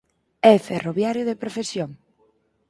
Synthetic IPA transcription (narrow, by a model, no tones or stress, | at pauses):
ɛferoβjaɾjʊðepɾofesjoŋ